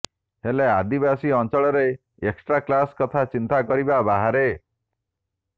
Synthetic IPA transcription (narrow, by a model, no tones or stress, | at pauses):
helead̪ibasiɔnt͡ʃɔɭɔɾe | eksʈɾaklaskɔt̪ʰat͡ʃint̪akɔɾibabaɦaɾe